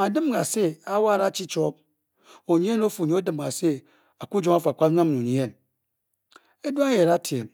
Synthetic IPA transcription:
a˨dɨ˦m˦ɡa˨se˦a˦wa˦˨ɾa˦t͡ʃi˦t͡ʃo˦p̚ | o˨ɲi˦e˦no˦fu˨ɲi˨˦o˦dɨ˨m˨ɡa˨se˦ | a˨ku˦d͡ʒo˦ŋa˦fa˨kʷa˦ɲʷ˦a˦mnu˨ɲi˦e˦˨n | e˦da˦je˨ɾa˦tʰe˨m

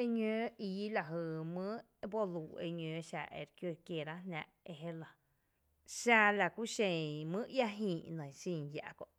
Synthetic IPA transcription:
e˧ɲø̃ː˧˦i˧ji˦la˨ɦɨ˧˨mɨ̃˦ | bo˦luː˨ḛ˧ɲø̃ː˨ʃa̰˧˨ʔḛ˧˨ɾkjo˧˨kje˧˨ɾa˦ɦnã̰˧ʔe˧˨ɦe˦la˧ | ʃa˧la˨kʷu˦ʃẽ˨mɨ̃˦ja˦ɦĩː˨nə̃˨sĩ˧˨ja̰˨ʔko̰˧˨ʔ

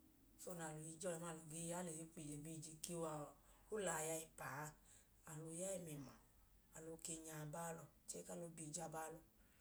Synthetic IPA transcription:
so˦˨na˨lo˨i˧d͡ʒɔ˧lɛ˧˨ma˧˨lo˨ɡe˧˦ja˦le˨jo˦k͡pi˨le˨bi˦˧˨d͡ʒi˧ki˦a˧˨ | o˦la˨ja˧i˧pa˨˧˦ | a˨lo˧˦jɛ˦ɛ˧˨mɛ˨ma̰˨ | a˨lo˧˦ke˧ɲa˨baː˦lɔ˧˨ | t͡ʃe˦ka˦lo˨˧˦bi˨d͡ʒa˦ba˦lɔ˧

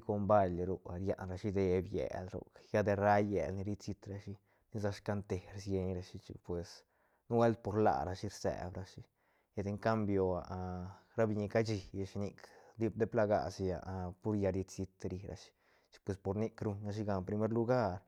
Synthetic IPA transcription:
ko˧mba˦lɾu˧a˨˧ɾja̰˨˧nɾa˧ʃi˦d̪e˧bjḛ˨lɾo̰˨kja˦d̪e˧ɾa˦je˨lni˧ɾi˧si˧t̪ɾa˧ʃi˦ | ni˦za˧ʂka˧˦nt̪e˨ɾsje˧ɲɾa˧ʃi˦t͡ʃḭ˧pwe˨s | nu˦we˦lt̪̚po˧ɾla̰˨ɾa˧ʃi˦ɾsḛ˨bɾa˧ʃi˦ | ja˧d̪e˧ŋka˦mbjo˧a˨ʔɾa˦bi˧ɲi˧ka˦t͡ʃi˧ja˧ʃi˧ni˧kd̪i˦b̚d̪e˦pla˧ɡa̰˧si˧ja̰˧˨ʔpu˦ɾja˧ɾi˧si˧t̪ɾi˧ɾa̰˧ʃi̥˦ | t͡ʃi̥˧pwe˧spo˧ɾni˦kɾu˧ɲɾa˧ʃ̬i˦ɡa˧npɾi˧me˦ɾlu˧ɡa˦ɾ

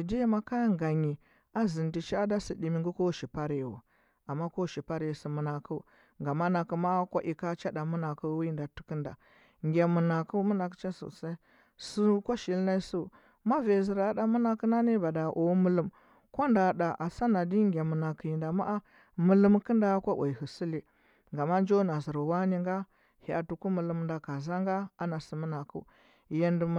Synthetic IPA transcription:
i˨di˦ja˦ma˦ka˦ŋɡa˨ɲi˨ | a˦zi˨ndi˨t͡ʃa˦da˦si˨di˨mi˨ŋɡu˦ko˦ʃi˨pa˦ɾe˨wṵ˨ | a˨mːa˦ko˦ʃi˨pa˦ɾi˨si˨mu˨na˨ku˦ | ŋɡa˨mːa˦na˨kə˨ma˦kʷa˦ʔi˨ka˦t͡ʃa˦da˨mu˦na˨ku˦wi˦i˦nda˨tu̥˦kə˦nda̰˨ | ŋɡʲa˨mu˨na˨ku˦mu˦na˨kə̥˦t͡ʃa˦so̰˨sa˦i˦ | su˦kʷa˦ʃi˨lna˦i˦su˦˨ | ma˦ve˨zi˨ɾa˨˦ɗa˨mu˦na˦kə˦na˦ni˦ba˨da˨ʔo˨˦mu˦lə˨m | kʷa˦nda˨da˨ʔa˨sa˦na˨di˦ŋɡʲa˨mu˨na˨ki˨ji˨nda˨ma˦ʔa˦ | mu˨lə˦mkə˦nda˦kʷa˦wʔa˨i˨hə˨si˦li˦ | ŋɡa˨ma˦n˦d͡ʒo˦na˨zi˨ɾu˨wa˦ni˦ŋɡa˦ | ha˨tu˨ku˦mu˨lə˦m˦nda˨ka˨za˦ŋɡa˦a˦na˨si˨mu˦na˨kṵ˦ | ja˨ndi˨

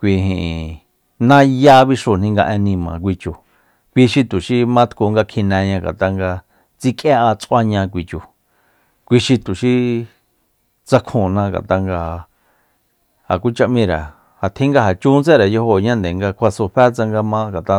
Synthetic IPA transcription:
kʷi˧ɦĩ˧ʔ | nã˦ja˦βi˧ʂo˧˨n̥nĩ˧ŋɡa˧ʔẽ˧nĩ˧mã̰˨k̬ʷi˧t͡ʃu˧˨ | kʷi˧ʃi˧t̪u˨ʃi˧mã˦t̪ku˧ŋɡa˧kʰĩ˧nẽ˧ɲã˧ɡa̰˨t̪a˧ŋɡa˧ | t͡si˧kʼja˦ʔa˧t͡sʔʷa˧ɲã˧k̬ʷi˧t͡ʃu˧ | kʷi˧ʃi˧t̪u˨ʃi˧ | t͡sa˧kʰũ˨nã˧ɡa̰˨t̪a˧ŋɡa˧ | a̰˨kʷu˦t͡ʃa˧ʔmĩ˧ɾa̰˨ | ha˨t̪ʰĩ˦ŋɡa˧ɦa˨t͡ʃũ˦nt͡se˦˨ɾa˨jo˧ho˧˨ɲã˦nd̪e˨ŋɡa˧kʷʰa˧so˧ɸɛ˦t͡sa˧ŋɡa˧mã˧ɡa˨t̪a˧

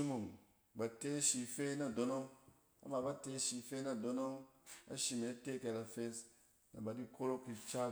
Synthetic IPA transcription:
i˦mu˨ŋ | ba˨te˦ʃi˨fe˦na˨do˨no˦ŋ | a̰˨˦ma˨ba˦te˦ʃi˨fe˦na˨do˦no˦ŋa̰˦ʃi˨me˨˦te˦ke˨ɾa˨fe˦s | na̰˨ba˨di˦ko˦ɾo˦kːi˨t͡ʃa˦

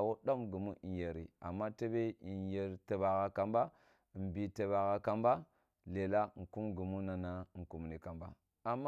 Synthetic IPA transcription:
wo˦ɗa˦mɡu˨mu˦i˨je˨ɾḭ˨a̰˨mːa˦te˦be˦i˨je˨ɾta˨ba˨ɣa˨ka˨mba˦˨ | mbi˨te˨ba˨ɣa˨ka˨mba˦ | le˨la˦ŋ̩˨ku˦mɡu˨mu˦na˨na˨ŋ̩˨ku˨m˨ni˨ka˨mba˦ | a˨mː˦

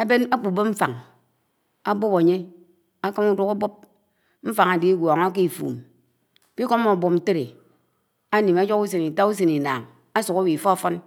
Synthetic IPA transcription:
a˦be˦na˦k͡pu˨bo˦m̩˦fa˨ŋ | a˦bo˦pa˨ɲe˦ | a˦ka˦mu˦du˦ka˦bo˦p̚ | m̩˦fa˨ŋa˨di˦ɡʷɔ˨ŋo˦k̬i˦i˨fṵː˨m | pi˦ko˦mːo˨bo˨mn̩˨te˦ɾe˨ | a˦ni˨ma˦d͡ʒo˦ku˦s̬e˨ni˨ta˦u˦s̬e˨ni˨na̰ː˨ŋ | a˦su˨ko˦wi˨fɔ˦a˨fɔ˦n

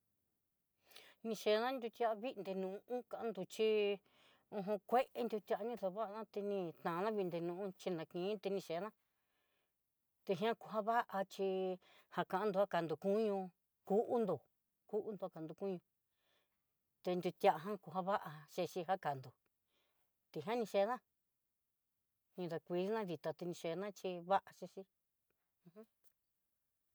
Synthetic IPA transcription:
nĩ˧ʃe˧nã˦nd̪ʲu˧t̪ʲja˧ʔa˧βi˦˧nd̪e˧nũ˧ũ˦kã˧ã˦nd̪u˧t͡ʃi˧ | õ˧ɦõ˧kʷe˦ʔe˧nd̪ʲu˧t̪ʲa˧nĩ˧ðo˧βa˦ʔnã˦t̪e˧nĩ˧t̪ã˨˧nã˦βi˧nd̪e˧nũ˧ʔũ˦t͡ʃi˧nã˨˧kĩː˨˦t̪e˧nĩ˧ʃe˨˦nã˦ | t̪e˧ɦĩ˧ã˦ku˧ɦa˦βa˦ʔa˧t͡ʃi˧ | ha˧kã˧ʔã˧nd̪u˧a˦ka˨nd̪u˨kũ˦ɲũ˧ | ku˦ʔu˦nd̪o˨ | ku˦ʔu˧˦nd̪o˧a˧ka˨nd̪u˧kũ˦ɲũ˧ | t̪e˧nd̪u˧t̪ja˧ʔa˧ɦã˦ku˧ɦa˦βa˦ʔa˧ʃe˧ʃi˧ɦa˦ka˨nd̪o˨ | t̪i˧˨ɦã˦nĩ˧ʃe˧˦nã˦ | nĩ˧ða˧kʷi˧ði˦nã˦ði˨˧t̪a˨˧t̪i˧nĩ˧ʃe˧˨˧nã˦t͡ʃi˧βa˦ʔa˧ʃe˧ʃi˧ | ũ˧hũ˦

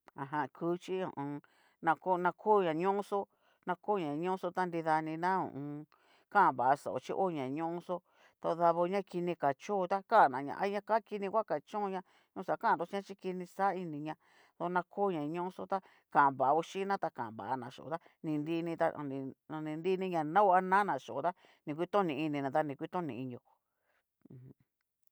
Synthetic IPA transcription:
a˨ɦã˧kʰu˦t͡ʃi˦õ̰˨ʔ | nã˧ko˦nã˧kʰu˦˨ɲã˨ɲõ˦so˦ | nã˧ko˦˨ɲã˨˧ɲõ˦so˦t̪a˦nd̪i˧ða˧nĩ˧nã˦ṵ̃˨ʔ | kã˦˨βa˨a˧so̰˨ʔo̰˨t͡ʃi˦ʔo˦˨ɲã˨ɲõ˦ʔso˦ | t̪a˧ða˧βo˧ɲã˦ki˧nĩ˧ka˨t͡ʃõ˦˧t̪a˦ka˦˨nã˨˧ɲã̰˧ʔa̰˧˦ɲã˧ka˦ki˧nĩ˧kʷa˦ka˨t͡ʃõ˦˧ɲã˧ | ɲõ˧˦˧sa˨˦kã˦˨d̪o˧˦t͡ʃi˧˦ã˦t͡ʃi˦ki˧nĩ˧sa˦i˧nĩ˧ɲã˧ | ðo˧nã˧kʰoː˦˨ɲã˨ɲõ˦ʔũ˦so˦t̪a˦ | kã˨βa˨a˧u˧ʃi˦nã˦t̪a˧kã˨mβa̰˨a˧nã˨ʃo̰˨t̪a˦ | nĩ˧nd̪i˧nĩ˧t̪a̰˧nĩ˧ã˧nĩ˧nd̪i˦˧nĩ˧˦ɲã˧nã˦a˦nã˦nã˨ʃo˨o˨t̪a˦ | nĩ˨˧kʷi˦t̪õ˦nĩ˧i˧nĩ˧nã˨t̪a˧nĩ˨kʷi˦t̪õ˦nĩ˧˨i˧ɲo˧˨˧ | h

